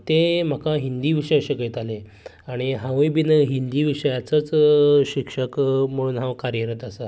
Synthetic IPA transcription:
t̪em̤akaɦind̪iːʋiʂəjaɕəkət̪ale | aɽ̃iɦãʋijbinɦind̪iːʋiʂəjat͡sət͡sɕikʂəkm̤əɽ̃uːnɦãwkaɾjəɾət̪əsa

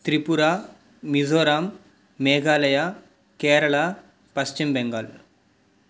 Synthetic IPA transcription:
t̪ɾipuɾaː | izoːɾaːmː | eːɡaːlɐjaː | keːɾɐɭa | pɐst͡ʃimbeŋɡal

